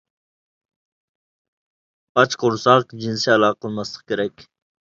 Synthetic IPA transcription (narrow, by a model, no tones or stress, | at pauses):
ɑt͡ʃqʊɾsɑqd͡ʒinsiɑlˠɑːqʰəlˠmɑslˠə̥q̚kʲʰeɾɛkʲ